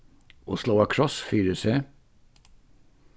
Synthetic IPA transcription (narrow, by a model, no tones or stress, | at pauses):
ʔo̰ːsloːɑkʰɹɔsfyːɾəseː